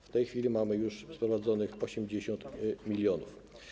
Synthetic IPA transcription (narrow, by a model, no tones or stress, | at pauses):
ft̪ɛjxfʲilʲimamɘjuʂspɾɔvad̪zɔnɘxɔɕɛmd͡ʑeɕɔnt̪mʲilʲjɔnuf